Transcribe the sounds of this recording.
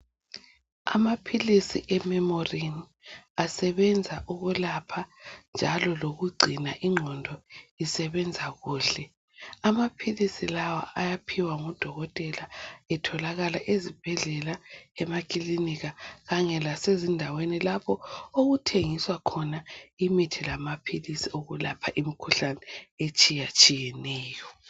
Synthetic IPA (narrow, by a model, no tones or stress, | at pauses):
a̰mapʰilisḭʔɛmɛmɔrin | asɛβɛnd͡zʱaʔuɣulapʰand͡ʒʱalɔloɣuɡ͡ǀʱinaʔiŋ͡ǃʱɔndʱɔisɛβɛnd͡zʱaɣuːɬɛ | amapʰilisilawa̰ʔajapʰiwaŋɔd̥ʱɔɣɔtʼɛlaɛtʰɔlaɣalaʔezib̥ʱɛɮɛlaɛmakʼiliniɣaɣaŋɛlasezindʱawenilapʰɔoɣutʰeŋiswakʰɔnaimitʰilamapʰilisioɣulapʰaʔimikʰuɬanɛet͡ʃʼijat͡ʃʼijɛnɛːjɔ